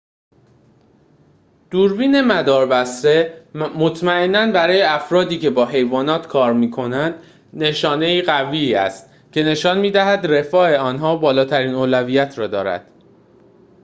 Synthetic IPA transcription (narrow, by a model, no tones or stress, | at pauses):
d̪̥uɾbiːne̞mæd̪ɒːɾbæsɾe̞mo̞t̪ʰmæe̞nːænbæɾɒːjeæfɾɒːd̪iːcʰe̞bɒːɦe̞jvɒːnɒːt̪ʰkʰɒːɾmiːkʰo̞nænd̪̥ | ne̞ʃɒːne̞iːɣæviːæ̰st̪ | cʰe̞ne̞ʃɒːnmiːd̪æɦæd̪re̞fɒːe̞ɒːnɦɒːbɒːlɒːt̪ʰæɾiːnoːlæviːjæt̪ʰɾɒːd̪ɒːɾæ̰d̪̥